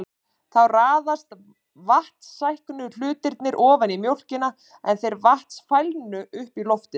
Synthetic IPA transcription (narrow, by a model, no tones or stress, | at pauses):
θawraːðast̪ | vaht̪sːajhknʏl̥ʏːt̪ɪɾt̪nɪɾʔɔːvanimjowl̥cɪna | ɛnθejɾvaht̪sfajlnʏʔʏhpilɔft̪ɪ